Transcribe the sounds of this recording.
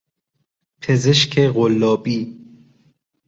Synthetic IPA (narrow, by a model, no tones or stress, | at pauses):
pʰezeʃkʰeɣolːɒːbiː